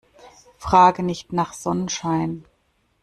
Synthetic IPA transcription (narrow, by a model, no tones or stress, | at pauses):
fʁ̥aːɡənɪçtnaːχz̥ɔnənʃaɪn